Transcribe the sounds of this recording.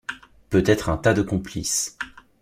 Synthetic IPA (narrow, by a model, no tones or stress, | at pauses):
pøt̪ɛt̪χɛ̃t̪ad̪əkɔ̃plḭs